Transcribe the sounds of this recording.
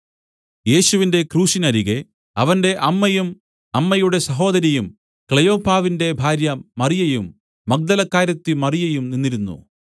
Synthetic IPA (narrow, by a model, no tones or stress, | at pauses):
je̞ːɕuʋinde̞kruːɕinɐɾiɣe | ɐʋɐnde̞ʔɐmːɐjum | ɐmːɐjuɽe̞sɐɦo̞ːd̪ɐɾjɐjum | kɭejo̞ːpaːʋinde̞bʱaːɾjɐmɐrijɐjumː | ɐk̚d̪ɐlɐkːaːɾɐt̪ːɨmɐrijɐjumninːiɾunːṵ